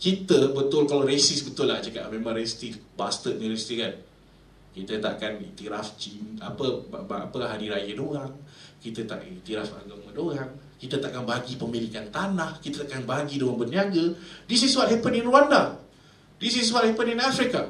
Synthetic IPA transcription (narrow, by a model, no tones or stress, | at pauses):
kit̪əbət̪ʊlkalaɾesɪsbət̪ʊlːahd͡ʒəka̰ʔmemãŋresi̥t̪ibast̪ət̪̚ɲiɾesi̥t̪ikan | kit̪ət̪a̰ʔkanḭt̪iɾaft͡ʃina̰pəa̰pəɦadiɾajədoɣaŋkit̪ət̪a̰ʔkait̪iɾafa̰ɡamədoɣaŋ | kit̪ət̪aʔkanbaɡipəmilikant̪anahkit̪ət̪aʔkanbaɡidoɣaŋbərniaɡədis̬is̬uat̪̚ɦɛpəninɾuwanda | dis̬is̬uat̚hepəninafɾika